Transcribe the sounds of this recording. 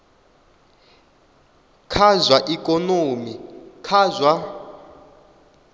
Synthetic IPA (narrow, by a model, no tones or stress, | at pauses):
kʰazwaʔikʼɔnoːmikʰazwa